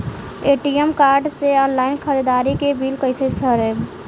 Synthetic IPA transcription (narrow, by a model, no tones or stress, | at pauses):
eʈiəmkaɾɖseɔnlaɪnkʰəɾid̪aɾikebʱilkəjsʰet͡ʃpʰəɾeb